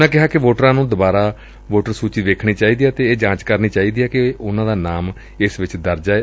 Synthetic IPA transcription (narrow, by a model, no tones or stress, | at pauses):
ãːkɪɦaːkɪʋoːʈəɾãːnũːd̪ʊbaːɾaː | ʋoːʈəɾsuːt͡ʃiːʋeːkʰɳ̃iːt͡ʃaːiːd̪iːaːt̪eːeːd͡ʒãːt͡ʃkəɾniːt͡ʃaːiːd̪iːaːkɪʊnãːd̪aːnaːm | ɪsʋɪt͡ʃd̪əɾd͡ʒaː